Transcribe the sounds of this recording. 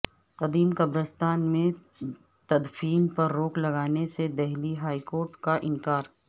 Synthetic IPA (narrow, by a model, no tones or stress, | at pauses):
qɐd̪iːmkɐbɾəst̪aːnmẽ | t̪ɐd̪fiːnpɐɾːoːklɐɡaːnesed̪ɛɦliɦaːikoːɾʈkaʔɪ̃ŋkaːɾ